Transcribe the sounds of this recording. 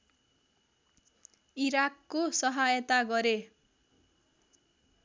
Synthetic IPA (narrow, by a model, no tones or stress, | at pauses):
iɾakːosʌɦajʌt̪aɡʌɾe